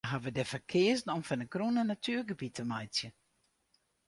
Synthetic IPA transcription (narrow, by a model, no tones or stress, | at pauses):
ɦavədɛfərkʰɪəzn̩ɔmfanəkrunənatʰyːrɡəbitʰəmajsjə